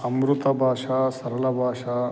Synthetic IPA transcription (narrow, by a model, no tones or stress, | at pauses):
ɐmɾut̪ɐbʱaːʂaːsɐɾɐlɐbʱaːʂaː